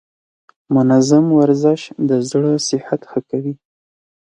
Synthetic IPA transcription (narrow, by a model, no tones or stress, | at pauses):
mʊnazamwaɾzɪʃd̪əzɽəsɪhat̪xəkawi